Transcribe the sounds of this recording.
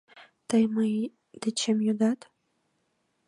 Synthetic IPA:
t̪əjməj | d̪̥et͡ɕemjud̪ɑt̪

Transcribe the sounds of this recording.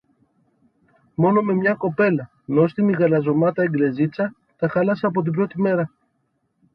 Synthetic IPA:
mo̞no̞me̞mɲɐko̞pe̞lɐ | no̞st̪imiɣɐlɐzo̞mɐt̪ɐeŋɡle̞zit͡sɐ | t̪ɐxɐlɐsɐːp̬o̞t̪̬ibɾo̞t̪ime̞ɾɐ

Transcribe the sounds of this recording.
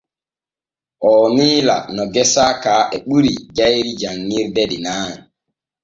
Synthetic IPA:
ʔɔːniːla̰nɔɡɛsaːkaːʔɛɓuɾḭd͡ʒajɾid͡ʒaŋːiɾdɛɗinaːn

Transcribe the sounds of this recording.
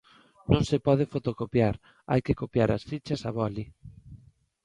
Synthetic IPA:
nõŋsepɔð̞efot̪okopjaɾ | a̰jkɪkopjaɾa̰sfit͡ʃɐsaβɔli

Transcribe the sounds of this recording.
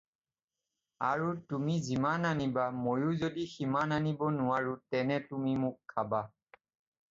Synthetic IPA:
aɹutumizimananibamojʊzodiximananibɔnʊwaɹutɛnɛtumimʊkʰːaba

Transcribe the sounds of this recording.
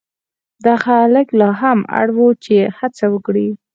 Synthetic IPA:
d̪ɑxaləklɑɦama̰ɽwut͡ʃehat͡sawəkɽi

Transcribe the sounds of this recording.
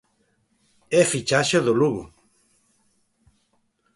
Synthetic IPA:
efit͡ʃaʃoðoluɣṵ

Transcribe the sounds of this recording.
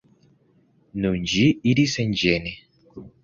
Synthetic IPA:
nuɲd͡ʒiiɾisɛɲd͡ʒɛnɛ

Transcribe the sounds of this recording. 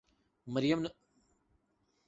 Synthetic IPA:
mɐɾjɐmn

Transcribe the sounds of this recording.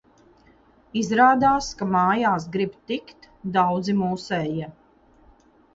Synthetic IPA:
izɾaːd̪aːskamaːjaːsɡɾibt̪ikt̪ | d̪awd̪zimuːsɛːjɛ

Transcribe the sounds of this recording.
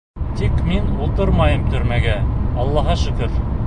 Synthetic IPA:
t̪ikminulˠt̪ɤɾmɑjɤmt̪ɵ̆ɾmæɡæɑlˠːɑɦɑʃɵ̆kɵɾ

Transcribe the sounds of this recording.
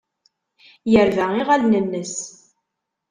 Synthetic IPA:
jəɾvæiʁælnənːəs

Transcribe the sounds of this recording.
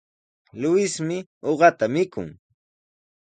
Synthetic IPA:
lʊɪsmɪoɢɑt̪amɪkʊ̰ŋ

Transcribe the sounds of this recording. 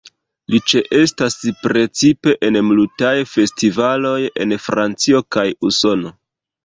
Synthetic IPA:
lit͡ʃe̞ʔe̞staspɾe̞t͡sipe̞ʔenmlutajfe̞stivalo̞je̞̰nfɾant͡sio̞kajuso̞no̞

